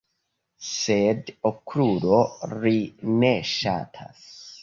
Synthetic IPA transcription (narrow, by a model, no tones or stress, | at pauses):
sedokʰːɾuːɾorineʃa̰t̪ʰa̰s